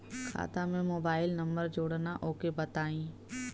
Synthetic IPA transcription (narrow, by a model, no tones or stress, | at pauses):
kʰa̰ːt̪amẽmoːbaːɪlnɐ̃mbəɾd͡ʒoːɽnaʔoːkebɐt̪aːĩː